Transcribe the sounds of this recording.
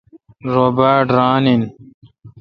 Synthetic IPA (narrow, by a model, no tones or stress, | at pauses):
ɾoːbaʈɾãːnin